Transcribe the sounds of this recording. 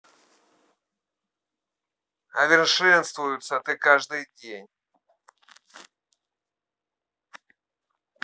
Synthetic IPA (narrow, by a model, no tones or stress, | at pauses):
ɐvʲɪrʂɛnst̪vʊjʊt̪sət̪ɨkaʐd̪ɨjdʲenʲ